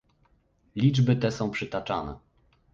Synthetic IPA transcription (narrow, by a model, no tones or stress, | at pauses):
lʲid͡ʐbɘt̪ɛsɔ̃w̃pʂɘt̪at͡ʂanɛ̰